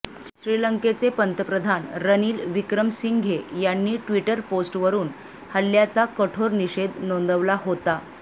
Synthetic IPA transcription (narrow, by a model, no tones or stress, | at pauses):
ɕɾiləŋket͡sepənt̪əpɾəd̪ʱanɾəniːlʋikɾəmsiŋɡʱejanːiːʈʋiʈəɾposʈʋəɾuːn | həljat͡sakəʈʰoɾniɕed̪nõnd̪əʋlaɦot̪a